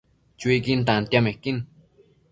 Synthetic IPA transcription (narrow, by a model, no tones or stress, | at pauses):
t͡ʃwikint̪ant̪jamekin